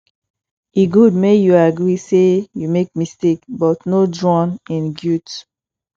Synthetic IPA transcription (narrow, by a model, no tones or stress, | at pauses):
iɡud̚mejuaɡɹisejumek̚mistekbɔtnodɹɔ̃nĩnɡjut